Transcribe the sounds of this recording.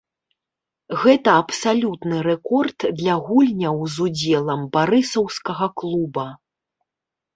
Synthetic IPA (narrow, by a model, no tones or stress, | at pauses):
ɣɛt̪ɐɐpsalʲut̪nɨɾɛkɔrt̪d̪lʲɐɣulʲnʲɐwzud͡zʲɛlˠɐmbaɾɨsɐwskɐɣɐklˠubɐ